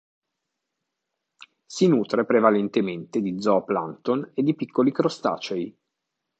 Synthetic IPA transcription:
sinuːt̪ɾepɾevalent̪ement̪ed̪id̪zɔpla̰nt̪oned̪ːipikʰːolikɾost̪a̰ːt͡ʃej

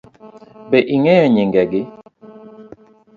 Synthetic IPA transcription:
bɛʔiŋɛɔɲiŋɡɛɡɪ

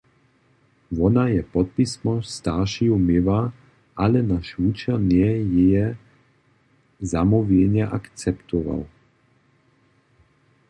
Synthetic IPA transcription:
vɔnajɛpɔt̪̚pismɔst̪aʃiumɪva | ʔalɛnaʃvut͡ʃɛnjɛjɛjɛ | zamuvjɛɲaʔakt͡sɛpt̪ɔva̰l

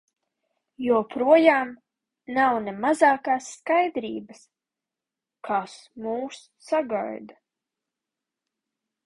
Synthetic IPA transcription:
juɔpɾuɔjaːm | nawnemazaːkaːsːkajd̪ɾḭːbəs | kʰasmuːsːaɡa̰jd̪a

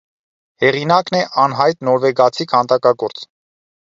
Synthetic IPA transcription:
hɛʁinɑknɛʔɑnɦɑjt̪nɔɾvɛɡɑt͡sʰikʰhɑnt̪ɑkɑɡɔɾt͡s

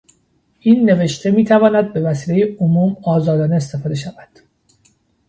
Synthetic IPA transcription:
ʔiːnːe̞ve̞ʃt̪ʰe̞miːt̪ʰævɒːnæd̪̚be̞væsiːlejeomuːmɒːzɒːd̪ɒːneest̪ʰe̞fɒːd̪e̞ʃævæd̪̥

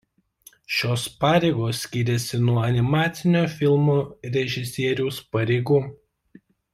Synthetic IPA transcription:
ʃʲoːspɑːɾʲeːɪɡoːsːʲkʲiːɾʲɛsʲɪnuɔɐnʲɪmɑːt̪sʲɪnʲoːfʲɪlˠmoːɾʲɛʒʲɪsʲiɛɾʲuʊspɐɾʲɛɪɡuː

